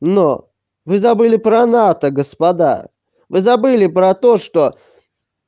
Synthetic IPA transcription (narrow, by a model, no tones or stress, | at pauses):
no | vɨzɐbɨlʲɪpɾɐnat̪əɡəspɐd̪a̰ | vɨzɐbɨlʲɪpɾɐt̪oʂt̪o